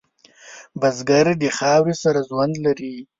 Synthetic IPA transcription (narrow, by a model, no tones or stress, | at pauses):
bazɡaɾd̪əxɑwɾisaɾazwand̪laɾi